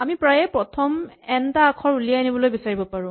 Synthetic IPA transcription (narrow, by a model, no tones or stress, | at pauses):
amipɹajɛpɹɔtʰɔmɛntaːkʰɔɹulijaenibɔlojbisaɹibɔpaɹũ